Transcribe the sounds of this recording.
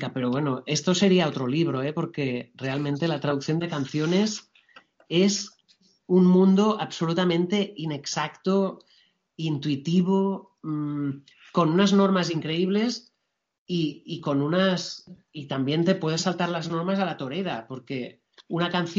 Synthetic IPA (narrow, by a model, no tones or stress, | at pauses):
kapeɾoβwenoʔe̞st̪o̞se̞ɾiao̞t̪ɾo̞liβ̞ɾo̞epo̞ɾke̞re̞alment̪e̞lat̪ɾað̞uk̚θjo̞nd̪ekan̟θjo̞ne̞s | e̞s | unmũnd̪oʔaβso̞lut̪amẽ̞nt̪e̞ine̞ksakt̪o | int̪uit̪iβ̞o | m | ko̞nunazno̞ɾmaziŋkɾe̞iβ̞le̞s | iːko̞nunasit̪ambje̞nt̪e̞pwe̞ð̞esalt̪aɾlazno̞ɾmasalat̪o̞ɾeɾapo̞ɾke | unakan̟θ